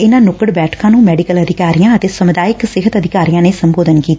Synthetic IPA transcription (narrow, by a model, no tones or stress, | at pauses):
ɪnãːnʊkəɽbɛːʈkãːnũːmɛːɖɪkələd̪ɪkaːɾijãːət̪eːsəmʊd̪aːjɪksɪɦət̪əd̪ʱɪkaːɾijãːneːsəmboːd̪ənkiːt̪aː